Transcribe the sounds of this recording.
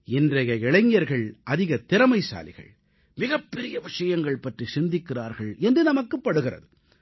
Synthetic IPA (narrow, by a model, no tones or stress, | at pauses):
ɪndrɐɣɐɛɭɐɲːɐɾɣɐɭʔɐðɪɣɐt̪ːɪɾɐmɐɪsa̰ːlɪ̰ɣɐ̰ɭ | mɪɣɐpːɛɾɪjɐʋɪʂɐjɐŋɡɐɭpɐʈrisɪnd̪ɪkːɪraːɾɣɐɭɛndrɯnɐmɐkːɯpːɐɽɯɣɪrɐ̰ðɯ